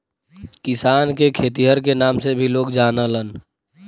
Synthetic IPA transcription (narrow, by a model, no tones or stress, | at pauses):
kɪsaːnkekʰeːt̪iɦəɾkenaːmsebʱiloːkd͡ʒaːnələn